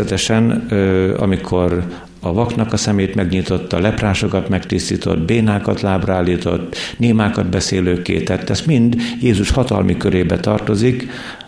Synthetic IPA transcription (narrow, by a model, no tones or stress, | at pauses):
ɛt̪ɛʃɛnː | ɒ̰mikʰo̞ɾ | ɒvɒknɒkɒsɛmeːt̪mɛɡɲit̪o̞t̪ːɒlɛpraːʃo̞kɒt̪mɛkt̪ist̪iːt̪o̞̰d̪beːnaːkɒt̪laːbraːlːiːt̪o̞̰t̪ːneːmaːkɒd̪̚bɛseːløːkːḛːt̪ɛt̪ːɛst̪mind̪jeːzuʃhɒt̪ɒ̰lmʔikøɾeːbɛt̪ɒrt̪o̞zik